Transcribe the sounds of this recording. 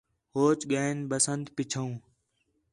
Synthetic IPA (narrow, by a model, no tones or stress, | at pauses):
ɦoːt͡ʃɠaːɪnbəsənd̪pɪt͡ʃʰəũː